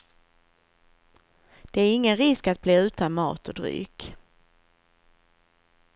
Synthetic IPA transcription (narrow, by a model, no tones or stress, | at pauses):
d̪̥ɛæɾɪŋːənɾɪskat̪̚bleːʉ̟ːt̪anmɑ̰ːt̪ɔd̪ɾy̰ːk